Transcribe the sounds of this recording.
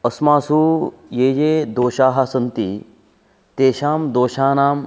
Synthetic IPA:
ɐsmaːsujeːjeːd̪oːʃaːɦasɐnt̪ḭ | t̪eːʃaːmd̪oːʃaːnaːm

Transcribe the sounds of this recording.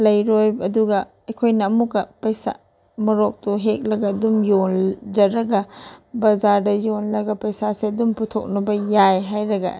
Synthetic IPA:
lɐjɾojbɐduɡɐ | ɐjkʰojnɐːmukːɐpɐjsa̰ | mɐɾok̚tuɦek̚lɐɡɐɐdumjold͡ʒɐɾɐɡɐbɐzaɾdɐjonlɐɡɐpɐjsaseɐdumputʰo̰k̚nɐbɐjajɦajɾɐɡɐ̰

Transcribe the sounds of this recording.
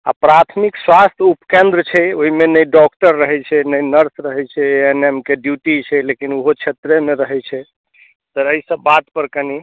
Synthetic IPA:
a̰pɾat̪ʰmikswast̪ʰupkẽnd̪ɾət͡ʃʰɛoɦimenəjɖɔk̚ʈəɾːəɦɛt͡ʃʰɛnəjnəɾsɾəɦɛt͡ʃʰɛenemkeɖjuʈit͡ʃʰɛlekinuɦot͡ʃʰet̪ɾemeɾəɦɛt͡ʃʰɛ | t̪əəisəbːat̪pəɾkəni

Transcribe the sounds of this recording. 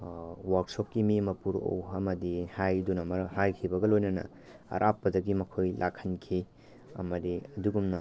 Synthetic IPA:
waɾk̚sop̚kimimɐpuɾo̰wɐmɐdihajdunɐmɐɾhajkʰibɐɡɐlojnɐnɐ̰ | ɐ̰ɾʔapːɐdɐɡimɐkʰojlʔakʰːɐnkʰi | ɐ̰mɐdiɐduɡumnɐ

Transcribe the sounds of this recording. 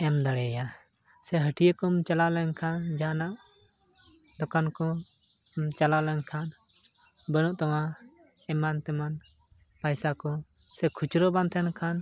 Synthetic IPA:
ɛmd̪aɽɛja | sɛɦəʈʰijəkɔmt͡ʃalalɛɲkʰand͡ʒanaʔ | d̪ɔkankɔ | mt͡ʃalalɛɲkʰan | bənuʔt̪ɔwa | ɛmant̪ɛman | pajsakɔ | sɛkʰut͡ʃɾɔbant̪ʰɛnkʰan

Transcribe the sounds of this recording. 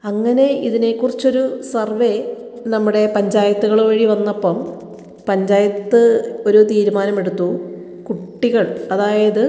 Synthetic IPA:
ɐŋːɐne̞iðinekːurit͡ɕːo̞ɾusɐrʋe̞ | nɐmːuɽe̞pɐɲd͡ʑaːjɐt̪ːuɣɐɭoʋɐɻiʋɐnːɐpːɐm | pɐɲd͡ʑaːjɐt̪ːɨo̞ɾut̪iːɾumaːnɐme̞ɽut̪ːu | kuʈːiɣɐɭɐðaːjɐðɨ

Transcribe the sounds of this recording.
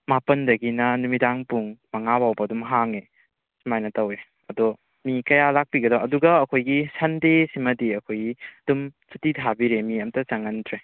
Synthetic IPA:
mapɐndɐɡinɐnumidaŋpuŋmɐŋabawbɐːdumɦaŋe | sumajnɐtɐwe | ɐdɔ | mikɐjalak̚piɡɐdɔwɐduɡɐːkʰojɡisɐndesimɐdiɐkʰojiɐdumsutitʰabiɾemiɐmtɐt͡ʃaŋɐntʰɾe

